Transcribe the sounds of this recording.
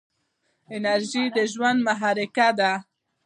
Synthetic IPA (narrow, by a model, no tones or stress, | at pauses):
ɪnaɾʒid̪əʒwand̪maɦɑɾɪkad̪a